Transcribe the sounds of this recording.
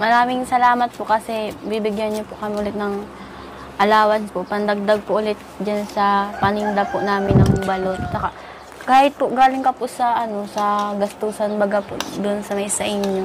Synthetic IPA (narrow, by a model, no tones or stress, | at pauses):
mɐɾaːmɪŋsɐlaːmɐt̪̚poʔkɐsɛbibɪɡjanɲopoʔkɐmɪʔʊlɛt̪̚nɐŋ | ʔɐlaːwɐnpoʔpɐnd̪ɐɡ̚d̪aɡ̚poʔʊlɛt̪̚d͡ʒansɐpɐnɪnd̪apʊʔnaːmɪnɐŋbɐlot̪̚t͡ʃɐkaʔ | kaːhɪt̪̚pʊɡaːlɪŋkɐpʊʔsɐʔɐno̞sɐɡɐst̪uːsɐnbɐɡapo̰d̪ʊʔnsɐmɐjsɐʔɪɲjo